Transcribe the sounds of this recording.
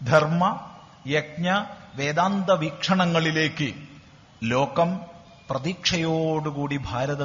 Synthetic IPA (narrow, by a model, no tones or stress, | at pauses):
d̪ʱɐrmɐ | jek̚ɲɐʋeːd̪aːnd̪ɐʋikʂɐɳɐŋːɐɭile̞ːkːɨ | lo̞ːkɐm | prɐðikʂɐjoːɽukuːɽibʱaːɾɐðɐ